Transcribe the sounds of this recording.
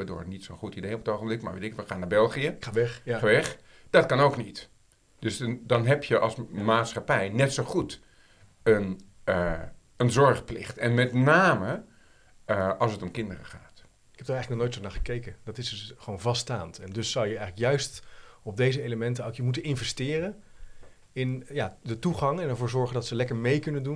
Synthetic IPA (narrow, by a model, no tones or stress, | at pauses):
aːdo̰ːɹətnitsonχutidejɔpətowχəmblɪkma̰ɹʋḛtɪkʋəχaːnaːɹbɛlˠχijəaɛaɛχ | d̥ɑtkɑnowknit | d̥ɵsdɑnɦɛpʰjəʔɑ̰lˠsmaːtsχapɛjnɛtsowχut | ən | ənzɔɹχplɪ̰χtɛnmɛtnaːmə | ɑlˠsətɔmkɪndərə̰χaːt | ɪkɛpd̥aɹɛjχləknɔχnowjtsonaːχə̥kejkəndɑtɪsdsχəʋownvɑstaːntɛndɵsːɑwjəɛjχələkjœɥstɔb̚dejzəejləmɛntəokjəmutənɪnvɛstɪːrən | ɪnjaːdətuχɑŋɛnɛɹvʊːɹzɔɹχəndɑtsəlɛkəɹmejkɵnəndun